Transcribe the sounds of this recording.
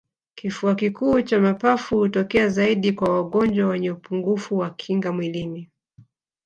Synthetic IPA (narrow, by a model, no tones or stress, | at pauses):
kifuakikuːt͡ʃamapafuhutɔkɛazaiɗikwawaɠɔnd͡ʒwawɛɲɛupuŋɡufuwakʰiŋɡamwilini